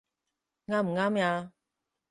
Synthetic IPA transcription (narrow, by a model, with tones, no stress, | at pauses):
ŋaː˧˥m̩˨˩ŋaː˥mjaː˧